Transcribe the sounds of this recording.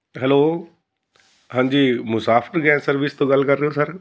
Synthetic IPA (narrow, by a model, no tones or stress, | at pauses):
ɦɛloː | ɦãːɲ̆d͡ʑiːmʊsaːfɪɾɡɛ̃ːsɐɾʋɪst̪õɡal̤kɐɾːəjosɐɾ